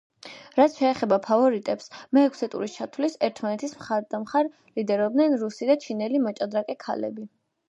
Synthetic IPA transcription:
ɾat̪sʃɛːχɛbapʰavɔɾit̪ʼɛpsmɛːkʰsɛt̪ʼṵɾist͡ʃʰat̪ʰwlisɛɾt̪ʰmanɛt̪ʰismχaɾd̪amχaɾ | lid̪ɛɾɔb̚d̪nɛnɾusid̪at͡ʃʰinɛlimɔt͡ʃʼad̪ɾakʼɛkʰa̰lɛ̰bi

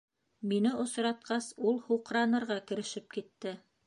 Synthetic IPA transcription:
minɘʔŏsɾɑt̪̚qɑsulˠhuqɾɑnɤ̆ɾʁɑkɘ̆ɾɘ̆ʃɘp̚kit̪ːɘ

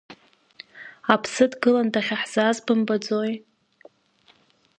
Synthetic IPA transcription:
apʰsɨdɡɨlandaχʲaħz̥azbɨmbad͡zoj

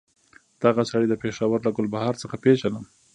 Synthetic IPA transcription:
d̪̥aɣasaɽid̪əpeʃawaɾlaɡʊlbahɑɾt͡səxapeʒanəm

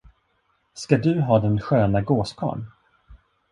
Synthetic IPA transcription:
skad̪ɵɦɑːd̪ɛnɧøːnaɡoːskʰɑ̰ːɳ

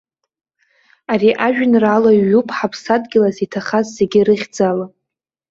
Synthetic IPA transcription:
ariʔaʒᶣnralaɥːupʰħapʰsadɡʲɪlazitʰaχazːeɡʲɪrɨχʲd͡zala

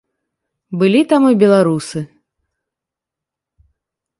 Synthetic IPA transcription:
bɨlʲit̪amɨbʲɛlˠaɾusɨ

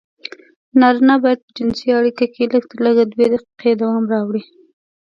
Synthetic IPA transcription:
nɑɾinabɑjad̪̚pəd͡ʒɪnsiaɽikakʰeləɡ̚t̪əɾləɡad̪wed̪aqi̥qʰed̪awɑmɾɑwɽi

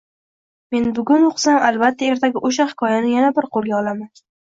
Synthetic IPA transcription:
me̞nbʊɡʲʊnoqsamalbat̪ʰːae̞ɾt̪ʰaɡʲɪʔoʃ̬ahɪ̥kʰɒjanɪjanabɪɾqʰolˠɡʲaɒlaman

